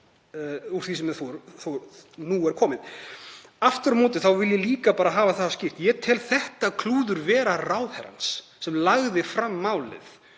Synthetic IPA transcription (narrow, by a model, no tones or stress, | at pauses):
uɾ̥θisɛmɛθuɾθunuɛɾ̥kʰɔːmɪð | aft̪ʏɾmɔːt̪ɪθawvɪljɛliːkapaːɾaɦaːvaθascɪr̥t̪jɛt̪ʰɪlθɛht̪akʰluːðʏɾvɛːɾaraːwðhɛ̰ɾa̰nsː | ɛmlaɣðɪfɾamːaːwlɪ̰ð